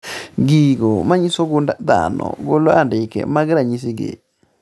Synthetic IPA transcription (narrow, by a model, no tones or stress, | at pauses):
ɡiɡomaɲisoɡundad̪a̰nɔ̰ɡoloandɪkḛmaɡɾaɲis̬iɡḛ